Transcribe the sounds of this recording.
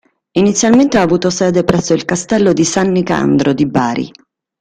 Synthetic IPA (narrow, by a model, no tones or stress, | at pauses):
init̪sːjalment̪eaːvuːt̪osɛːd̪epɾɛsːoilkast̪ɛlːod̪isanːika̰nd̪ɾod̪ibaːɾḭ